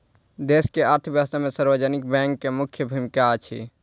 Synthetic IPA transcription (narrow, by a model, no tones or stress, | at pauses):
d̪eskeaɾt̪ʰəbjast̪amesəɾbəd͡ʒənik̚bɛ̃ŋkːemukʰjəbʱumikat͡ʃʰḭ